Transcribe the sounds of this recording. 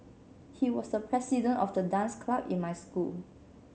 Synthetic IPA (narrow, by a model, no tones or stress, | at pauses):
hiwɔsdəpʰɹɛsidə̃ntɔfdədãnskʰlabḭ̃nmajskul